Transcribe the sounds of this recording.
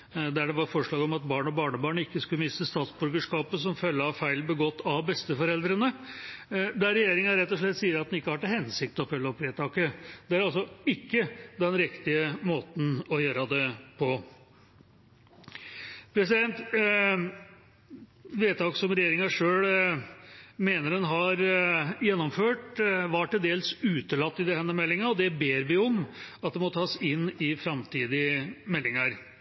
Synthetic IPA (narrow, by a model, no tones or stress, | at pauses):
d̪æɖɛʋɑɾfɔʂɭɑːɡɔmɑt̪bɑːɳɔbɑːɳəbɑːɳəɪkːəskʉləmɪst̪əst̪ɑːt̪sbʉɾɡəʂkɑːpəsɔmfœlːəɑfæɪlbəɡɔt̪ːɑʋbɛst̪əfɔɾɛld̪ɾənə | d̪æɾɛjeːɾɪŋɑɾɛt̪ːɔʂɭɛt̪ːsiːəɾɑt̪̚d̪ɛnɪkːəhɑʈːɛhɛnsɪk̚t̪ɔfœlːəɔpʋeːt̪ʰɑːkəd̪ɛæɾɑls̬ɔɪkːəd̪ɛnɾɪkt̪ɪəmoːt̪n̩ɔjøːɾɑd̪ɛpʰɔ | pʰɾɛs̬ɪd̪ɛnt̪ | ʋeːt̪ʰɑːkəsɔmɾɛjeːɾɪŋɑʂøːɽ | meːnəɖɛnɦɑɾjɛnːɔmføːʈʋɑʈɪld̪eːlsʉːt̪əlɑt̪ːɪd̪ɛhɛnːəmɛlːɪŋɑɔd̪ɛbeːɾʋɪɔmɑt̪̚d̪ɛmɔt̪ʰɑːsɪnːɪfɾɑmt̪ʰiːd̪ɪmɛlːɪŋɑɾ